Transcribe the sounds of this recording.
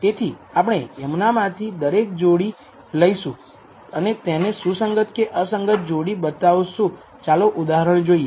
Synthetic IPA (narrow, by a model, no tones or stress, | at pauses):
t̪et̪ʰiap̬əɳ̃eɛmnamãt̪ʰid̪əɾek̚d͡ʒoɽi | ləiʃũ | ənet̪ɛnesũsəŋɡət̪keʔəsəŋɡət̪̚d͡ʒoɽibət̪aʋsũ | t͡ʃaloʔud̪aɦəɾəɳ̃d͡ʒoie